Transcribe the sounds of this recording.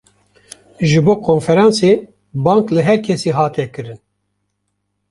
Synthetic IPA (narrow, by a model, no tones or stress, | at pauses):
ʒɨboːkʰoːnfɛɾɑːnse | bɑːŋklɨɦɛɾkʰɛsiːɦɑːt̪ʰɛkɨɾɨn